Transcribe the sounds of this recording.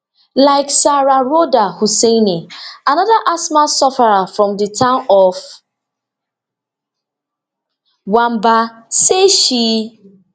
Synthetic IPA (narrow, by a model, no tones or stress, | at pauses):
laɪksaɾaɾodahuseneanɔðaʔasmasɔfaɾafɾɔ̃mdɪtãʊ̃nɔf | wambaseʃi